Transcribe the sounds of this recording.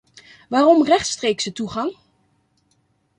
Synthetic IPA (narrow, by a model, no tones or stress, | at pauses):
ʋaːrɔmrɛχtstreːksətuχɑŋ